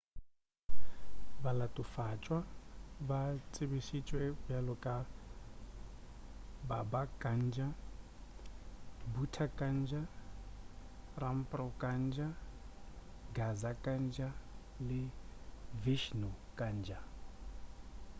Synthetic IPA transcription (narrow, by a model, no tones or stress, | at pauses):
βalatʼufat͡ʃʼwaβat͡sʼiβiʃit͡ʃʼwɛbjalɔkʼa | babakʼand͡ʒa | butʰakʼand͡ʒa | rampʼrɔkʼand͡ʒa | ɡazakʼand͡ʒa | lɪ | viʃnukʼand͡ʒa